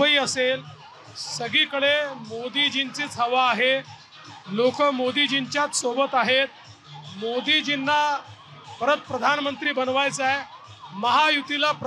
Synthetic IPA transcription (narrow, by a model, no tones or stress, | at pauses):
əiːəsel | səɡiːkəɭemod̪iːd͡ʑint͡siːt͡sʰəʋaːɦe | lokəmod̪iːd͡ʑiɲt͡ɕjat̪sobət̪aɦet̪̚ | mod̪iːd͡ʑinːa | pəɾət̪̚pɾəd̪ʱanmənt̪ɾiːbənʋajt͡saj | məɦajut̪ilapɾ